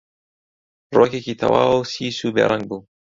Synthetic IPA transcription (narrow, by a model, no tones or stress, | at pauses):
roːkekʲiːt̪ʰɐ̰waːwlsiːsuːbḛːɾʔaŋɡ̚buː